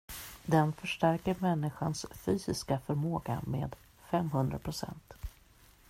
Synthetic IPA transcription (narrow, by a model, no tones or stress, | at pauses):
d̪ɛnfœʂʈæɾkəɾmɛnːɪɧa̰nsfyːsɪskafœɾmoːɡa̰mḛːd̪ | fɛmɦɵnd̪ɾa̰pʰɾʊsɛ̰nt̪